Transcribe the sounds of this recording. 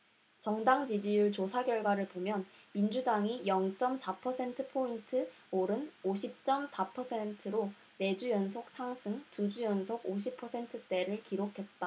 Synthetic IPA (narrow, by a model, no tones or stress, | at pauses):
t͡ɕʌŋdaŋd͡ʑid͡ʑijuɭt͡ɕosʰaɡjʌɭɡwaɾɯɭpomjʌnmind͡ʑudaŋijʌŋt͡ɕ͈ʌmsʰapʰʌsʰe̞ntʰɯpʰointʰɯ | oɾɯnoɕʰip̚t͡ɕ͈ʌmsʰapʰʌsʰe̞ntʰɯɾo | ne̞d͡ʑujʌnsʰok̚s͈ʰaŋsʰɯŋtud͡ʑujʌnsʰoɡoɕ̬ʰipʰʌsʰe̞ntʰɯt͈e̞ɾɯɭkiɾokʰe̞t̚t͈a